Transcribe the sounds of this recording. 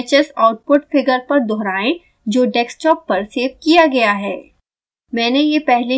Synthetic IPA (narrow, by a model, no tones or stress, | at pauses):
t͡ʃəsaʊʈ̚pʊʈfɪɡəɾpɐɾd̪ɔːɾaːẽ | d͡ʒoːɖɛːksʈɔːpːɐɾseːʋkijaɡɐjaɦɛː | mɛ̃ːnejepɛɦle